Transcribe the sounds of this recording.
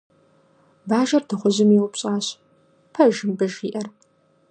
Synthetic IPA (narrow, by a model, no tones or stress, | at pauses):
baːʒɐrdɨχʷʊʑɪmiwʊpɕʼaːɕ | pʰɐʒɪmbɐʒḭːʔɐr